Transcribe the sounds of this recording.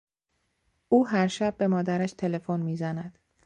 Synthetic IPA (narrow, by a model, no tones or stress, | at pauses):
ʔuːɦæɾʃæb̚ːe̞mɒːd̪æɾæʃt̪ʰe̞le̞fonmiːzænæd̪̥